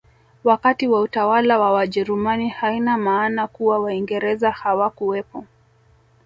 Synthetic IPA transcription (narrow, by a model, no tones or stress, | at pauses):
wakatiwautawalawawaʄɛɾumanihainamaːnakuwawaiŋɡɛɾɛzahawakuwɛpɔ